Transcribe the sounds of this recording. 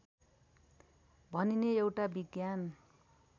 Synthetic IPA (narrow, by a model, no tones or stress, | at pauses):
bʱʌnineewʈabiɡjan